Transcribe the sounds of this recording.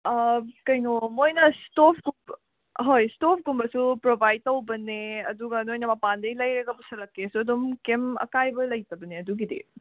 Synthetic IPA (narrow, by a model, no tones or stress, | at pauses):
kɐjŋomojnɐstopʰɡumb | ɦojstopʰɡumbɐsupɾobajd̚tɐwbɐneɐduɡɐnojnɐmɐpandɐjlɐjɾɐɡɐpusɐlɐkːesuɐdomkemɐ̰kajbɐlɐjtɐbɐneɐduɡidḭ